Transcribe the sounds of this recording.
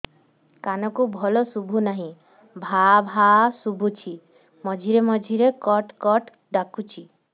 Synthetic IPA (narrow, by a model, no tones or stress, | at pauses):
kanɔkubʱɔlosubʱunaɦĩ | bʱabʱasubʱut͡ʃʰi | mɔd͡ʒʱiɾemɔd͡ʒʱiɾekɔʈkɔʈ | ɖakut͡ʃʰi